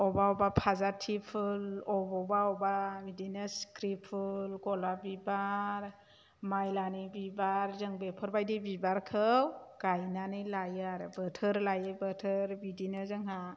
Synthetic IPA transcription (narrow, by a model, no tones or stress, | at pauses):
ɔbaɔbapʰazatʰipʰɯlɔbɔbaɔbamidinɯskɾipʰulɡɔlabibaɾ | majlanibibaɾzɯŋbepʰɔɾbajdibibaɾkʰɯwɡ̥ajnanɯjlajɯaɾɯbətʰəɾlajɯbətʰəɾbidinɯzɯŋɦa